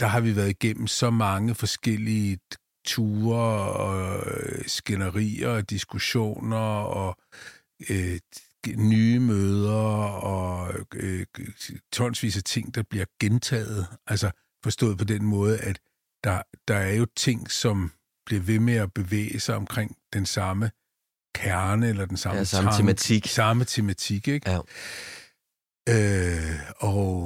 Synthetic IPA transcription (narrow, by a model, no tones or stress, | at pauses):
d̥ɑ̈ɦɑ̈ʋiʋæːɐð̞ˠiɡ̥en̰m̩sɒ̽mɑ̈ŋəfɒ̽sɡ̥el̰iə | t͡sʰuːɐɒ | sɡ̥enɐʁḭːɐd̥isɡ̥uɕo̝̰ːnɐɒ̽ | nyːəmøːð̞ˠɐɒ̽ | t͡sʰɒ̽n̰sʋḭːsɐt͡sʰe̝ŋ̰d̥ɑ̈b̥liɐɡ̥ent͡sʰɛ̰ːð̩ˠʔælsɐ | fɒ̽sd̥ɔ̰̽ːð̩ˠpʰɒ̽d̥enmɔ̽ːð̞ˠəʔæd̥ | d̥ɑ̈d̥ɑ̈æɐjo̝t͡sʰe̝ŋ̰sɒ̽m | b̥liɐʋe̝meæb̥e̝ʋḛːəsɑ̈ɪɒ̽mkʰʁeŋ̰d̥ensɑ̈mə | kʰæɐnəelɐd̥ensɑ̈mt͡sʰsɑ̈mət͡sʰe̝mæt͡sʰiɡ̥eɡ̥ | ø | ɒ̽